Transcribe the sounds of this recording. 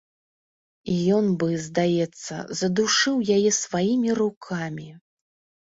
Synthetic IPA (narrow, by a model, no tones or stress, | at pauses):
ijɔnbɨzd̪ajɛt̪sːɐ̰zɐd̪uʂɨwjajɛsvajimʲirukʰamʲi